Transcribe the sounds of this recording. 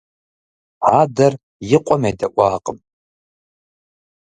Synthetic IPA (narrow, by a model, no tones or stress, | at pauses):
ħadɐr | jɪqʷʼɔmejdɐʔʷʼaːqʼəm